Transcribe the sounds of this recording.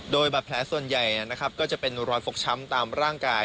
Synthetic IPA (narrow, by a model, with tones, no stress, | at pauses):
doː˧jbaː˨˩pʰlɛː˩˥su˨˩ənja˨˩jni˥˩na˦˥kʰa˦˥p̚kɔː˥˩t͡ɕa˨˩pe˧nɾɔː˦˥t̪̚fo˨˩k̚t͡ɕʰa˦˥mt̪aː˧mɾaː˥˩ŋkaː˧j